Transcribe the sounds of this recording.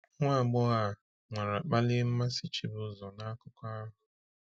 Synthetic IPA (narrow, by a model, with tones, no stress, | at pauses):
ŋʷa˦˨ɡ͡bʊ˦ɣa˨ | ŋʷa˨ɾa˨k͡pa˦lɪ˦m̩˦ma˦si˦t͡ʃi˦bʊ˦zɔ˨na˦a˦kʊ˦kʷa˦ɦʊ˨